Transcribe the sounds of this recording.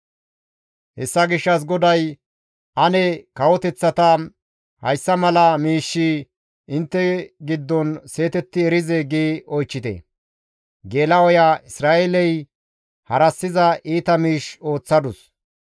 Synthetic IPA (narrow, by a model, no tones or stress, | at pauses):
hɛsːɐɡɪʃːɐs̬ɡɔd̪ɐj | ʔɐnɛkɐwɔt̪ɛt͡sːɐt̪ɐ | hɐ̰jsːɐmɐlɐmiːʃːi | ʔɪnt̪ːɛɡɪd̪ːɔnse̞ːt̪ɛt̪ːɪɛɾɪzɛɡiːɔjt͡ʃːɪt̪ɛ̰ | ɡe̞ːlɐwɔjaɪsɾaːʔɛlɛj | hɐɾɐsːɪzɐʔiːt̪ɐmiːʃo̞ːt͡sːɐd̪ʊs